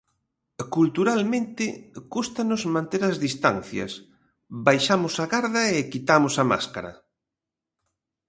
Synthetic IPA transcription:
kult̪uɾalmẽnt̪ɪkust̪anʊzmãnt̪eɾɐzðist̪an̟θjɐ̰s | bajʃamʊsaɣaɾðɐekit̪amʊsɐma̰skaɾɐ̰

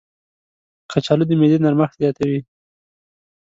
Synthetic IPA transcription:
kʰat͡ʃɑlud̪əmed̪enaɾmaxt̪zjɑt̪awi

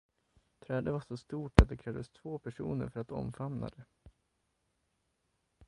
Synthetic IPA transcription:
t̪ʰɾɛːd̪əvaʂɔst̪uːʈat̪̚d̪ɛkʰɾɛːvd̪əst̪ʰvoːpʰæʂṵːnə̰ɾfœɾat̪ɔ̰mfamna̰d̪ɛ

